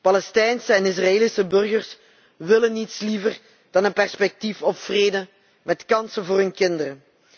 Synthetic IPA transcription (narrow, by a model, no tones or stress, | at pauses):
pɑlɛstɛjnsəɛnɪs̬rɑeːlisəbɵrɣərs | ʋɪlənitslivər | d̥ɑnənpɛrspɛk̚tifɔpfreːdə | mɛtkɑnsənvʊːrɦɵnkɪndəɾə